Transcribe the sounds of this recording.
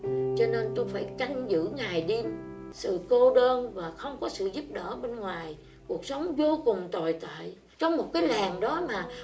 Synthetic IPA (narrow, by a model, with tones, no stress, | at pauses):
t͡ɕɔ˧ne˧nt̪u˧jfaː˧˩jka˧jŋ̟zɨ̰˧˥ŋaː˨˩jɗi˧msɨ̰˧˨ko˧ɗəː˧nvaː˨˩xə˧wŋ͡mkɔ˨˦sɨ̰˧˨zu˦˥p̚ɗə̰ː˧˩ɓe˧nŋwaː˨˩j | ku˨˩ək̚sə˨˦wŋ͡mvo˧kʊ˨˩ŋ͡mt̪o˨˩jt̪a̰ː˧˨j | t͡ɕɔ˧wŋ͡mmo˨˩t̚kaː˨˦jlaː˨˩ŋɗɔ˨˦maː˨˩